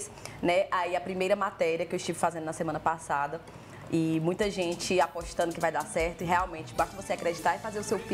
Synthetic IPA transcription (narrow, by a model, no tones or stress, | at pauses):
s | nɛaiɐpɾimejɾɐmat̪ɛɾiɐkɪewɪʃt͡ʃivɪfazẽnd̪ʊnɐsemɐ̃nɐpasad̪ɐ | ɪmũj̃t̪ɐʒẽt͡ʃɪapoʃt̪ɐ̃nd̪ʊkɪvajd̪asɛɾt̪ʊɪɦeawmẽt͡ʃɪ̥baʃt̪ɐvoseakɾed͡ʒit̪aɾɪfazeɾʊsewp